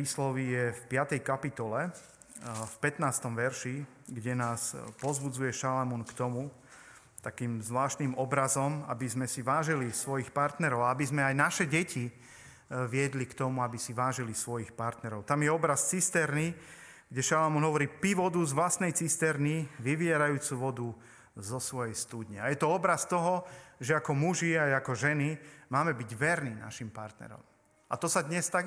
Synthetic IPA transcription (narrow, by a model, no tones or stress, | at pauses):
iːslɔʋijɛfpɪat̪ɛjkapit̪ɔlɛ | fpɛt̪naːst̪ɔmʋɛɾʃi | ɡɟɛnaːspɔzbud͡zujɛʃalamunkt̪ɔmu | t̪akiːmzʋlaːʃt̪nimɔbɾazɔma̰bizmɛsiʋaːʒilisʋɔjixpaɾt̪nɛɾɔʊaabizmɛajnaʃɛɟɛcʰi | ʋɪɛd̪likt̪ɔmuabisiʋaːʒilisʋɔjixpaɾt̪nɛɾɔʊt̪amjɛɔbɾast͡sist̪ɛɾni | ɡ̥ɟɛʃalamɔnɦɔʋɔɾiːpiʋɔd̪uzʋlast̪nɛjt͡sist̪ɛɾniʋiʋɪɛɾajuːt͡suʋɔd̪u | zɔsʋɔjɛjst̪uːd̪ɲɛajɛt̪ɔɔbɾast̪ɔɦɔʒɛakɔmuʒiajakɔʒɛnimaːmɛbiɟʋɛɾnina̰ʃimpa̰ɾt̪nɛ̰ɾɔ̰m | a̰t̪ɔsad̪ɲɛst̪aɡ